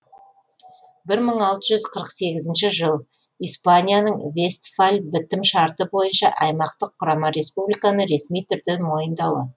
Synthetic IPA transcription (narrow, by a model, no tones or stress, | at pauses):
bɪɾməɴɑlˠt̪əʒʏzqʰəɾəqse̞ɡʲɪzɪnʃɪʒəlˠ | ijspanʲijanəɴve̞st̪falʲbɪt̪ɪmʃɑɾt̪əbo̞jənʃɑ̰ʔɑjmɑqt̪əqʰːʊɾɑmɑɾe̞spublijkɑnəɾe̞smijt̪ʰʏɾd̪enmo̞jənd̪ɑw̪ə̰